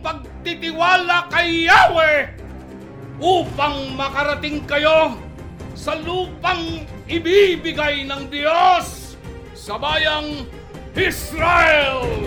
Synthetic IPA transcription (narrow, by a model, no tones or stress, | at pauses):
pɐɡ̚t̪ɪt̪ɪwaːlakɐjːawɛ | ʔuːpaŋmɐkɐɾɐt̪ɪŋkɐjo | sɐluːpaŋ | ɪbibɪɡajnɐŋd̪ɪjosː | ɐbaːjaŋ | hɪsɾaʔɛl